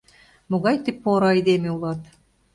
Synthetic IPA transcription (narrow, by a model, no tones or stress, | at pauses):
muɣɑjt̪ipːoɾɑjd̪emiulˠɑt̪